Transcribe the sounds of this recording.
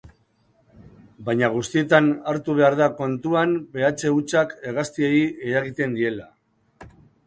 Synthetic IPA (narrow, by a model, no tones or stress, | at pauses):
bajɲaɣ̞ust̪ie̞t̪anaɾt̪uβ̞e̞aɾðako̞nt̪uanbe̞at͡se̞ut͡ʃake̞ɣast̪ieieɾaɣit̪e̞nd̪ie̞la